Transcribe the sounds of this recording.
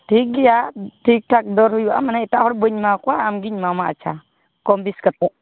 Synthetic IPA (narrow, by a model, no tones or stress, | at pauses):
tiɡijatik̚tak̚dɔɾhujua̰manaitahɔɾboɲmakwaːmɡiɲmamaa̰t͡ʃa | kombiskət̪̚u